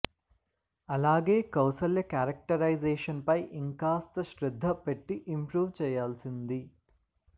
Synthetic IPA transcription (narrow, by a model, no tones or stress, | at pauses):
ɐlaːɡeːkɐwsɐljɐkaːɾɐk̚ʈɐɾɐjzeːʂɐnpɐjʔiŋkaːst̪ɐʃɾid̪ʱːɐpeʈːiʔimpɾuːʋt͡ʃɛːjaːlsind̪i